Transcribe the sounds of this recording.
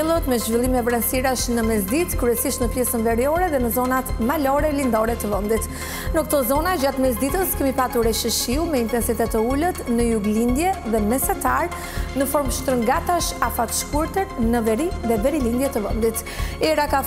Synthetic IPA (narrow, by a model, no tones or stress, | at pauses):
ɛlˠət̪mɛʒvilˠimɛbɾansiɾaʃnəmɛsd̪it̪kɾuɛsiʃt̪nəpjɛsənvɛɾiɔɾɛðɛnəzɔnat̪malɔɾɛlind̪ɔɾɛt̪əvənd̪it̪ | nəkə̥t̪ɔzɔnad͡ʒat̪mɛsd̪it̪əskɛmipat̪uɾɛʃəʃiumɛint̪ɛnsit̪ɛt̪əulət̪nəjuɡlind̪jɛðɛmɛsat̪aɾ | nəfɔɾmʃt̪ɾəŋɡat̪aʃafat̪ʃkuɾt̪əɾnəvɛɾiðɛvɛɾilind̪jɛt̪əvənd̪it̪ | ɛɾaka